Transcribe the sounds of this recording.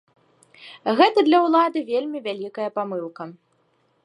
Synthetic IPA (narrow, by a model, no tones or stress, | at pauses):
ɣɛt̪ɐd̪lʲɐwlˠad̪ɨvʲelʲmʲivʲalʲikɐjɐpamɨlˠkɐ